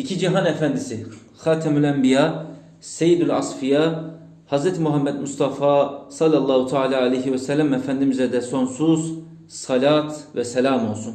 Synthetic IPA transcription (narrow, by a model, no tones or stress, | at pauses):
icʰid͡ʒiɦanɛfænd̪isi | xaːt̪ʰamylʲæmbijaː | sejid̪ylʲɑ̰sfija | hazɾɛt̪ʰimuɦamːɛd̪must̪ʰɑfaːsɑlʲːalˠːaːhut̪ʰaːlaːalejɦiwɛsɛlʲːæmɛfænd̪imizɛd̪ɛso̞nsuz | sɑlʲaːt̪vɛsɛlʲaːmo̞lˠsun